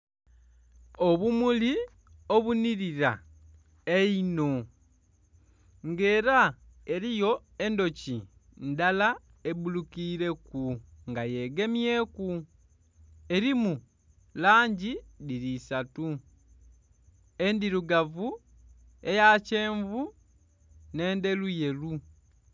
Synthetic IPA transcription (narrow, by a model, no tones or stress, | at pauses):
o̞βumuli | o̞βuniɾiɾa | eino̞ | ŋɡe̞ːɾa | e̞ɾijo̞ | e̞ndo̞ci | ndala | e̞bulukiːɾe̞kuŋɡaje̞ɡe̞mje̞ku | e̞ɾimu | laːɲɟidiɾisatu | e̞ndiɾuɡavu | e̞jace̞ːɱvu | ne̞ːnde̞luje̞lu